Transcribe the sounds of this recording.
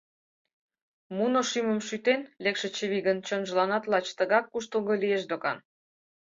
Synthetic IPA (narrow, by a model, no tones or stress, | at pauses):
munoʃyməmʃyt̪enlekʃĕt͡ɕəβiɣənt͡ɕənʒəlɑnɑt̪lɑt͡ɕt̪əɣɑkːuʃt̪əlɣolijeʃd̪okɑ̰n